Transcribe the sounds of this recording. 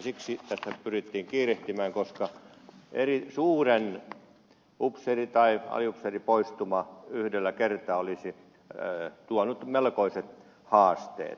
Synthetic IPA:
siksit̪æst̪ːæpyrit̪ːiːŋkiːreht̪imæːŋkoskɑ | erisuːren | upserit̪ɑiɑ̰liupseripoist̪umɑyhdelːækert̪ɑːolisi | t̪uɑnut̪melkoiset̪ | hɑːst̪ḛːt̪

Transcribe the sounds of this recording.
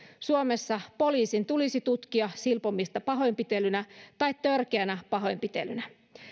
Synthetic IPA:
suomesːɑpo̞liːsint̪ulisit̪ut̪k̟iɑsilpomːist̪ɑpɑɦo̞jmpit̪e̞lynæt̪ɑjt̪t̪ːørkeænæpɑɦo̞jmpit̪e̞̰lynæ

